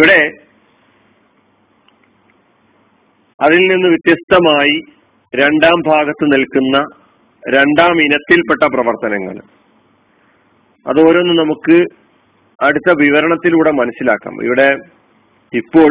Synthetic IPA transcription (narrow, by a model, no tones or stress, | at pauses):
iʋiɽe̞ | ɐðilninːɨʋit̪jɐst̪ɐmaːji | ɾe̞ɳɖaːmbʱaːɡɐt̪ːɨnilkunːɐ | ɾe̞ɳɖaːminɐt̪ːilpe̞ʈːɐprɐʋɐrt̪ɐnɐŋːɐ̰ɭ | ɐ̰ðo̞ːɾonːɨnɐmukːɨ | ɐɽut̪ːɐʋiʋɐɾɐɳɐt̪ːiluːɽe̞mɐnɐsːila̰ːkːa̰ːmḭʋiɽe̞ | ipːo̞ː